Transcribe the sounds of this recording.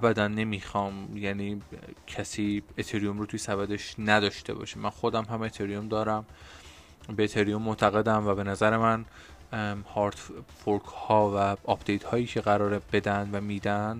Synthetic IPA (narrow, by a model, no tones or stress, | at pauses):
æbæd̪ænːe̞mixɒːmjæniːcʰæsiːet̪ʰeɾijomɾoːt̪ʰujsæbæd̪e̞ʃnæd̪ɒːʃt̪e̞̰bɒ̰ːʃimːænxo̞d̪æmɦæmet̪ʰeɾiomd̪ɒːɾæm | beet̪ʰeɾijomːot̪ʰæɣe̞d̪æmvæbe̞næzæɾe̞mæn | hɒɾt̪foɾkhɒːvæɒpd̪̥ejt̪hɒːjiːcʰe̞ɣæɾɒːɾeb̥e̞d̪ænd̪væmiːd̪ænd̪